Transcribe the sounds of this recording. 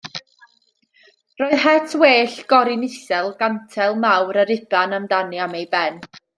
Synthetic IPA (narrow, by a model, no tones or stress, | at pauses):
roːɨðɦɛtʰweːɬɡ̥ɔɾɪnɪsɛlˠɡantʰɛlˠmawɾəɾɪbʰanamdaniamejbɛn